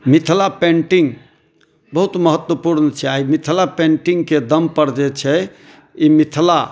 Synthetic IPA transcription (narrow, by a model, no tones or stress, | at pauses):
mit̪ʰlapẽɳʈiŋɡ | bəɦut̪məɦət̪wəpuɾnət͡ʃʰɛaimit̪ʰlapẽɳʈiŋɡked̪əmpəɾd͡ʒɛt͡ʃʰɛ | imit̪ʰla